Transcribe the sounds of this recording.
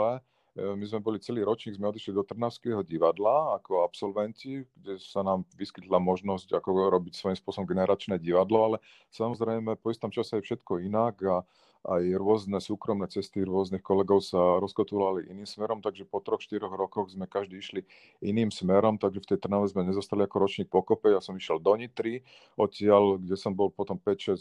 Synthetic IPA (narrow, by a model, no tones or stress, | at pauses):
ɛ | mizmɛbɔlit͡sɛliːɾɔt͡ʃɲiːɡzmɛɔd̪iʃlid̪ɔt̪r̩naʊskɛɦɔɟiʋad̪laakɔapsɔlʋɛnciɡ̥ɟɛsanaːmʋiskit̪lamɔʒnɔzcakɔɾɔbicsʋɔjimspʊɔsɔbɔmɡɛnɛɾat͡ʃnɛːɟiʋad̪lɔalɛ | samɔzɾɛjmɛpɔist̪ɔmt͡ʃasɛajfʃɛt̪kɔinaɡa | ajɾʊɔznɛsuːkɾɔmnɛt͡sɛst̪iɾʊɔzniːxkɔlɛɡɔʊsaɾɔskɔt̪ulaliʔiniːmsmɛɾɔmt̪aɡʒɛpɔt̪ɾɔxʃt̪iɾɔɣɾɔkɔɣzmɛkaʒd̪iːiʃli | iniːmsmɛɾɔmt̪aɡʒɛft̪ɛjt̪r̩naʋɛzmɛɲɛzɔst̪aliakɔɾɔt͡ʃɲiːk̚pɔkɔpɛjasɔmiʃjɛld̪ɔɲit̪ɾi | ɔtɪalɡɟɛsɔmbɔlpɔt̪ɔmpɛcʃɛs